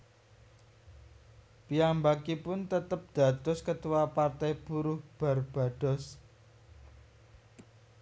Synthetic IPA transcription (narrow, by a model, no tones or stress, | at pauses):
pijambakipʊnt̪ət̪əp̚d̪̥a̤d̪̥ɔ̤skət̪uwapart̪ajb̥uɾʊhb̥a̤rb̥a̤d̪̥ɔ̤s